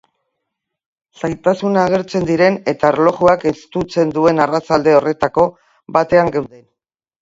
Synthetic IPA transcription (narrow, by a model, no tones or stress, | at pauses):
sajt̪asunaːɣ̞e̞ɾt͡se̞nd̪iɾe̞ne̞t̪aeɾlo̞ɣuakest̪ut͡se̞nd̪ue̞narat͡sald̪e̞o̞re̞t̪ako̞ | βat̪e̞aŋɡawðen